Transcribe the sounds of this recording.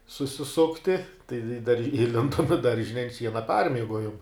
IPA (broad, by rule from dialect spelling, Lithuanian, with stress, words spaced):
sʊsʲɪˈsʊktʲɪ tɐɪ ɪ dɐr ɪˈlʲɪndoːm ɪ ˈdɐrʲʒʲɪnʲɛ ɪ ɐnt ˈʃʲiɛnɐ ˈpɐrʲmʲiɛɡoːjoːm